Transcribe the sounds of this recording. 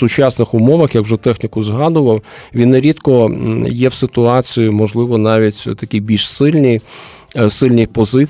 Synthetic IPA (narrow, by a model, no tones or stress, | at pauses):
sʊt͡ʃɑsnɪxʊmɔʋɐxjɐkwʒɛt̪ɛxnʲɪkʊzɦɑd̪ʊʋɐw | ʋʲinːeɾʲit̪kɔjɛwsɪt̪ʊɑt͡sʲijimɔʒlˠɪʋɔnɑʋʲitʲt̪ɐkʲijbʲilʲʃsɪlʲnʲij | sɪlʲnʲijpɔzɪ